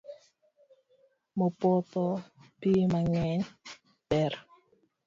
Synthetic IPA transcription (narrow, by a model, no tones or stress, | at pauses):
mopɔt̪ɔpimaŋɛɲ | pɛr